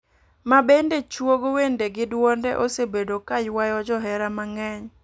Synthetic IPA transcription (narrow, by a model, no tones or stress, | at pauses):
mabendet͡ʃwoɡwendeɡɪdwɔndɛʔosebedokajwajɔd͡ʒɔɦɛɾamaŋɛɲ